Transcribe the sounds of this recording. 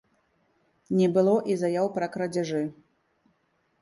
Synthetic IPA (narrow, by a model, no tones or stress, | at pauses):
nʲɛbɨlˠɔʔizajawpɾɐkɾɐd͡zʲaʐɨ